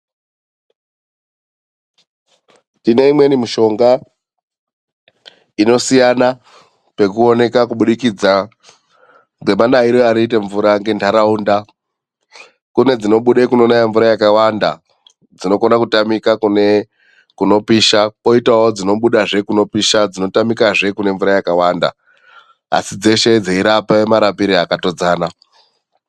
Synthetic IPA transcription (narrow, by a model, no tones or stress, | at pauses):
tine̞imwe̞nimiʃo̞ŋɡa | ino̞sijana | pe̞kuo̞ne̞kakuɓuɗikid͡za | ɡwe̞manaiɾoaɾiite̞ɱvuɾaŋɡe̞ndaɾaunda | kune̞d͡zino̞ɓuɗekuno̞najaɱvuɾajakawanda | d͡zino̞konakutamikakune | kuno̞piːʃako̞itawod͡zino̞ɓuɗaʐe̞kuno̞piʃad͡zino̞tamikaʐe̞kune̞ɱvuɾajakawanda̰ | a̰sid͡ze̞ʃe̞d͡zeiɾapaemaɾapiɾiakato̞d͡zaːna